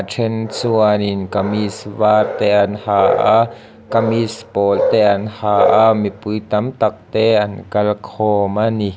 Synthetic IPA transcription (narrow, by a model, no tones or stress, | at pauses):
ʈ͡ʂʰɛnt͡suaninkamisvaːrt̪ɛʔanhaʔa̰ | kamispɔːlt̪ɛʔanhaːʔamipujt̪ɐmt̪ak̚t̪ɛʔankɐlkʰɔːmani